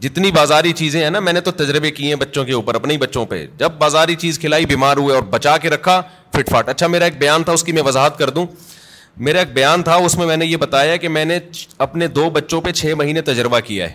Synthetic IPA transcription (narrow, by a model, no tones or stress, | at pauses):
d͡ʒɪt̪nibaːzaːɾit͡ʃiːzẽɦɛ̃namɛ̃ːnet̪ot̪ɐd͡ʒɾəbekiɦɛ̃bɐtːʃõkeuːpəɾɐpneibɐtːʃõpḛd͡ʒɐb̚ːaːzaːɾit͡ʃiːzkʰɪlaːibiːmaːɾɦueɔːɾbɐt͡ʃaːkeɾɐkʰa | fɪʈfaːʈɐtːʃʰameːɾaeːk̚bɐjaːnt̪ʰaʊskimɛ̃ʋɐzaːɦət̪kɐɾd̪ũː | meːɾaeːk̚bɐjaːnt̪ʰaʊsmẽmɛ̃ːnejebɐt̪aːjaɛkemɛ̃ːneɐpned̪oːbɐtːʃõpet͡ʃʰeːmɐɦiːnet̪ɐd͡ʒɾɪbakija̰ɦɛ̰ː